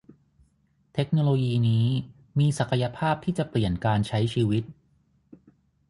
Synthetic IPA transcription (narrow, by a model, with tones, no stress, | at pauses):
t̪ʰe˦˥k̚noː˧loː˧jiː˧niː˦˥ | miː˧sa˨˩kʰa˧ja˧pʰaː˥˩p̚t̪ʰiː˥˩t͡ɕa˨˩pli˨˩ənkaː˧nt͡ɕʰa˦˥jt͡ɕʰiː˧wi˦˥t̪̚